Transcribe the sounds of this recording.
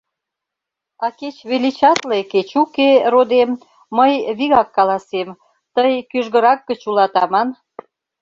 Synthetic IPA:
ɑket͡ɕβelit͡ɕɑt̪leket͡ɕukerod̪emː | əjβiɣɑkːɑlɑsem | t̪əjkyʒɣə̆ɾɑk̚ɡət͡ɕulɑt̪ɑmɑn

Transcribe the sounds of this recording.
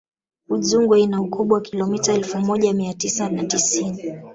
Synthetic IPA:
uzuŋɡwainaukʰuɓwawakilɔmitaɛlfumɔʄamiatisanatisini

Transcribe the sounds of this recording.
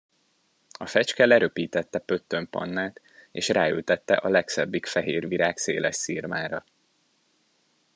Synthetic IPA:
ɒfɛt͡ʃkɛlɛɾøpiːt̪ɛt̪ːɛpø̞t̪ːømpɒ̰nːaːt̪ | eːʃraːylt̪ɛt̪ːɛʔɒlɛksɛbːikfɛɦeːrviɾaːkseːlɛʃsiːrmaːɾɒ

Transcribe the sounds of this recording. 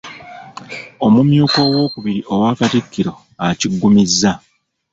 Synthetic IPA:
o̞mumjuːko̞ːwo̞ːkuβiɾiʔo̞waːkatikːiɾo̞ | aciɡːumizːa

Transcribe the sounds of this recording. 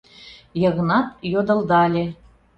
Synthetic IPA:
jɤ̆ɣɤ̆nɑt̪jod̪ɤ̆lˠd̪ɑlʲe

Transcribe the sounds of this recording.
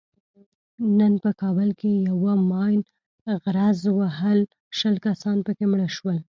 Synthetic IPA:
nənpəkɑbəlkejawamɑjn | ɣɾazwaɦəl | ʃəlkasɑnpəkemɽəʃwəl

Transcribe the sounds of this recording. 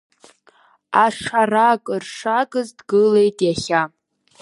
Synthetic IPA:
aʂarakʼɨrʂakʼɨzdɡɨle̞jtʼjaχʲa

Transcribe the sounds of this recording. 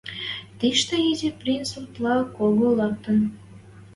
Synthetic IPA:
t̪iʃt̪əizʲiprʲinsurt̪lɑkoɣolɑk̚t̪ən

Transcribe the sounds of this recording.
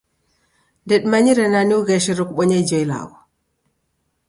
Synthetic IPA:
ndɛɗmaɲiɾɛnaniwɡɛʃiɾɔkɓɔɲajd͡ʒɔjla̰wɔ

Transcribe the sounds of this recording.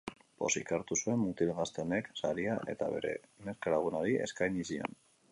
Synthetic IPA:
po̞̰sikaɾt̪usue̞mːut̪ilɣast̪ene̞ksaɾiaʔe̞̰t̪aβe̞̰ɾe̞̰ne̞ɾkalaɣ̞unaɾie̞̰skajɲisio̰n

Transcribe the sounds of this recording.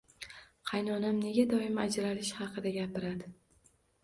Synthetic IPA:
qʰɑjnɒnamne̞ɡʲad̪ɒɪmad͡ʒɾalɪʃhɑqʰɨd̪aɡʲapɪɾad̪ɪ

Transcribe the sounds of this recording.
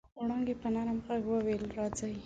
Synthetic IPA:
ɽaŋɡepənɑɾamɣaɡwəwelɾɑd͡zaji

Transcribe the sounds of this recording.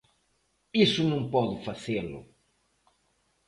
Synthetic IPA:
isʊnɐ̃w̃pɔðʊfazelʊ̰

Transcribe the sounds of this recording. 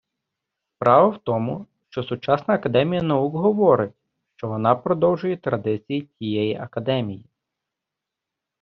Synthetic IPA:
spɾɑʋɐwt̪ɔmʊʃt͡ʃɔsʊt͡ʃɑsnɐːkɐd̪ɛmʲijɐnɐukɦɔʋɔɾɪtʲ | ʃt͡ʃɔʋɔnɑpɾɔd̪ɔwʒʊjɛt̪ɾɐd̪ɪt͡sʲijitʲijɛjiʔɐkɐd̪ɛmʲiji

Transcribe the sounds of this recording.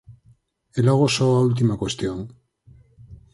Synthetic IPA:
eloɣ̞osoault̪̬imakwest̪joŋ

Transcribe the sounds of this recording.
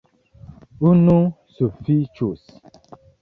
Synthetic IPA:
unu | sufit͡ʃus

